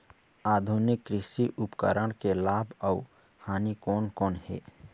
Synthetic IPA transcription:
aːd̪ʱunɪkːɾɪsiʔʊpkə̰ɾəɽ̃kelaːbəu | haːnikɔːnkɔːnhɛ̰ː

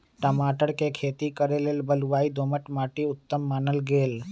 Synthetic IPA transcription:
ʈəmaːʈəɽkekʰeːt̪ikəɾelelbəlʋaːid̪oːməʈmaːʈiʊt̪ːəmːaːnəlɡeːl

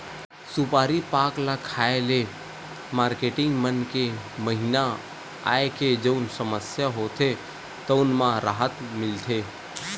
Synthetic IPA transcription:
supaːɾipaːklakʰaele | maːɾkeːʈɪ̃ŋɡmənke | məɦina | a̰ːeked͡ʒəʊnsəməsjaɦot̪ʰe | t̪əʊnmãɾaɦət̪mɪlt̪ʰe

